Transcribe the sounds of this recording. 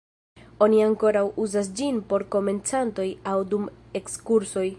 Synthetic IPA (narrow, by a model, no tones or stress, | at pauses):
o̞niaŋko̞ɾawuzas̬d͡ʒinpo̞ɾko̞me̞nt͡santo̞jawdume̞kskuɾso̞j